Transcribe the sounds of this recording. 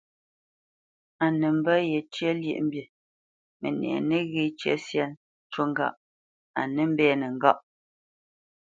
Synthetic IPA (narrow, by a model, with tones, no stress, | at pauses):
a˨ne˨m̩˦bə˦je˨t͡ʃə˦ljḛ˦˨ʔm̩˦bje˨ | mḛ˨nɛ̰˨ne˦ɣe˦˨t͡ʃə̰˦sja˦n | t͡ʃo˦ŋ˦ɡa̰˦ʔ | a˨ne˦m̩˦bɛː˦ne˨ŋ˨ɡa˦ʔ